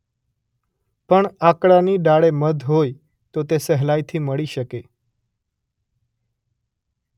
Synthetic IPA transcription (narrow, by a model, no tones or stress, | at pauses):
pəɳakɽaniɖaɭeməd̪ʱɦoj | t̪ot̪esəɦlajt̪ʰiməɭiʃəke